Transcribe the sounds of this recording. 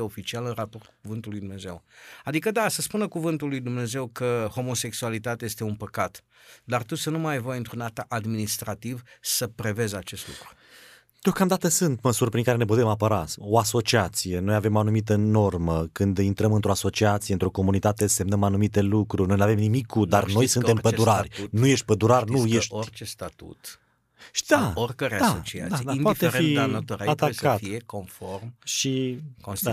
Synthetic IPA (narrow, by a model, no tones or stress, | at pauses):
eo̞fit͡ʃialɨnrapo̞rt̪kukuvɨnt̪ulːujd̪umne̞ze̞wad̪ikəd̪asəspunəkuvɨnt̪ulːujd̪umne̞ze̞wkəho̞mo̞se̞ksualit̪at̪eajest̪e̞unpəkat̪ | d̪art̪usənumajvojɨnt̪ɾunat̪aʔad̪minist̪ɾat̪ivsəpɾe̞ve̞zat͡ʃe̞st̪lṵkɾu̥ | d̪̥eokamd̪at̪əsɨnt̪məsurʲpɾiŋkaɾe̞ne̞p̬ut̪e̞mapəɾao̞aso̞t͡ʃiat̪sije̞no̞jave̞manumit̪əno̞rməkɨnd̪int̪ɾəmɨnt̪ɾo̞aso̞t͡ʃiat̪sieɨnt̪ɾo̞ko̞munit̪at̪ese̞mnəmanumit̪e̞lukɾuɾno̞jnuavemnimikʰːud̪arno̞jsɨnempəd̪uɾarʲnuje̞ʃt̪̚ʲpəd̪uɾarʲnujeʃtt͡ʃest̪at̪ṵt̪ | d̪aorkəɾead̪aot͡ʃia̰d̪ad̪ainpaifeɾfeianat̪oɾaat̪askʰatfiekonformʃikos